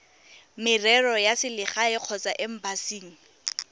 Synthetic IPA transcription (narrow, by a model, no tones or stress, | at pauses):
mɪrɛrɔjasɪlɪχaɪq͡χʰɔt͡saʔɪm̩basiːŋ̩